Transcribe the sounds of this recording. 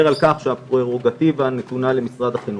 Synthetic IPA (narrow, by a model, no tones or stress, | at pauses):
eʁalkaχʃeapʁeʁoɡat̪ivanet̪unale̞misʁad̪aχinu